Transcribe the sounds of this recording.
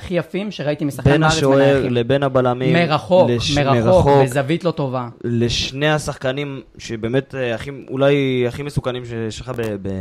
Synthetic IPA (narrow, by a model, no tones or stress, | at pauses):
aχijafimʃeʁait̪imisḁχbanaaʃoaeaʁlebenhabalamimeʁaχo̞kleʃmeʁaeooezavit̪lo̞t̪o̞valeʃne̞hasaχkanim | ʃebe̞ːme̞t̪aχiṵlajaχimesukanimʃejɛʃleχabebe